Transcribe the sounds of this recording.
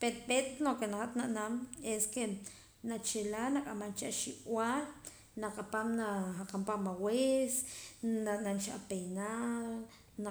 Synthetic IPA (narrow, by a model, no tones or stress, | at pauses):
peɾɓet̪nokenahat̪naʔnameske | nat͡ʃelanaqʼamant͡ʃaʃiʔwal | naqʼapamnaaqampamawes | ananʃa̰pejnal | na